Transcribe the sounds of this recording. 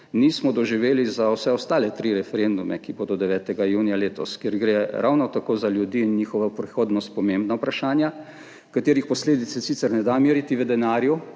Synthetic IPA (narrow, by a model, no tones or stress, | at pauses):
niːsmɔd̪ɔʒiʋeːlizawsɛɔst̪aːlɛt̪ɾiɾɛfɛɾend̪umɛ̰kiboːd̪ɔd̪ɛʋɛːt̪ɛɡajuːnijaleːt̪ɔskjeɾɡɾeɾʔa̰wnɔt̪akoːzaljud̪iːnjiːxɔʋapɾɛxoːd̪nɔst̪̚pɔmẽmbnaupɾaʃaːnja | kat̪eːɾixpɔsleːd̪it̪sɛsit̪sɛɾnɛd̪amiːɾit̪iʋəd̪ɛnaːɾju